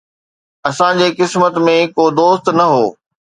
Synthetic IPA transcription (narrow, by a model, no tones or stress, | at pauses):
ɐsãd͡ʑeːkɪsmət̪mẽkoːd̪oːst̪nɐɦoː